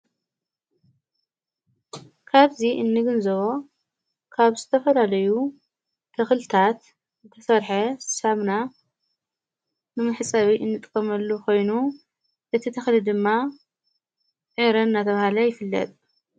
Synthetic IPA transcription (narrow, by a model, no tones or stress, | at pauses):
kʰaβziʔɨnːɨɡɨnzɐβo | kʰaβzɨt̪ʰɐfɐlalɐju | t̪ʰɐxlt̪ʰat̪ | zɨt̪ʰɐsɐɾħɐssamna | nɨmɨħɨt͡sʼɐβiʔɨnːɨt̪ʼkʼɐmɐlːukʰo̞jnu | ʔɨt̪ʰit̪ʰɐxlɨd̪ɨmːa | ʕɨɾɐnːat̪ʰɐβahalɐjɪfɨlːɐ̰t̪ʼ